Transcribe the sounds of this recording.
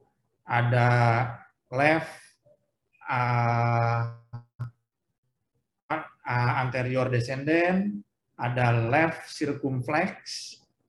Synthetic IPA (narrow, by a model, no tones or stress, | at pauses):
ʔada | lɛf | ə | aəant̪eɾiɔrdɛsɛndɛn | adalɛfsirkumflɛk̚s